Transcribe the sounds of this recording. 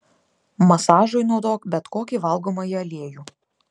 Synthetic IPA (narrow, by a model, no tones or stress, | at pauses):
mɐsɑːʒoɪnɔʊd̪oːkbʲɛt̪koːkʲiːˑʋɐlˠɡoːmɐjiɐlʲeɛjuː